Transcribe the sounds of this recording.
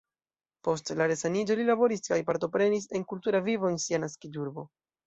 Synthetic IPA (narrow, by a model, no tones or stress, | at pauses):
po̞stlaɾe̞sanid͡ʒo̞lilabo̞ɾiskajpaɾto̞pɾe̞nis̬e̞nkultuɾavivo̞ensianaskiduɾbo̞